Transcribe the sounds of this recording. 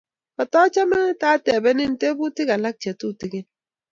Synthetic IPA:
ba˨tɔ˦t͡ʃa˦mɛ˦ŋ˦ta˦tɛ˨bɛ˦ni˦n̩˨te˦bu˦ti˦ka˨la˦k̚t͡ʃɛ˨tu˦˨ti˨ɡi˦n

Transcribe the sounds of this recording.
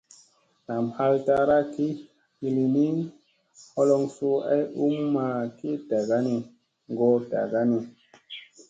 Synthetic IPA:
na˨mha˦lta˧ɾa˦ki˦ | hi˧li˨ni˦ | hɔ˦lɔ˧ŋsu˦a̰˦ju˦mːa˧ki˦ta˨ɡa˦ni˧ | ŋ˨ɡo˦ta̰˨ɡa˦ni˧

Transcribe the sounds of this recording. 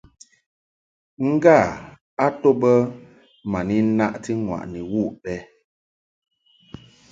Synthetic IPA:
ŋ̩˦ɡa˦˨ | a˦to˦bə˦ | ma˨ni˦na˦ʔti˦ŋwa̰˨ʔni˨wu˦˨ʔpɛ˦

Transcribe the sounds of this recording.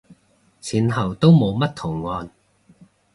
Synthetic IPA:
t͡sʰiː˨˩nɦɐ˨˩wt̪o˥wmo˨˧wmɐ˥tt̪ʰʊ˨˩ŋːɔː˧n

